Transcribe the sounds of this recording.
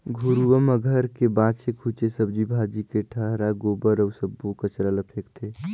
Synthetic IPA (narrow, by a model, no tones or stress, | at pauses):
ɡʱuɾuʋəməɡʱəɾkebãːt͡ʃekʰut͡ʃesəb̚d͡ʒibʱaːd͡ʒikeʈʰəɦɾaɡoːbəɾəːsəbːukət͡ʃɾələpʰeːkt̪ʰeː